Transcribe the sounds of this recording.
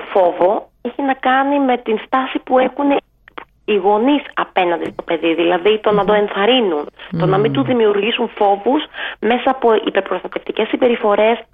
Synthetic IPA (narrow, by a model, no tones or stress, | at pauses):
fo̞vo̞ | eçinɐkɐnime̞t̪inst̪ɐsipue̞xune | iɣo̞nisɐpe̞nɐnd̪ist̪o̞pe̞ðiðilɐðit̪o̞nɐd̪o̞e̞nθɐɾinunt̪o̞nɐmind̪uðimiuɾʝisunfo̞vusme̞sɐːpo̞ʔḭpe̞ɾpɾost̪ɐt̪e̞ft̪ice̞sːibe̞ɾifo̞ɾe̞s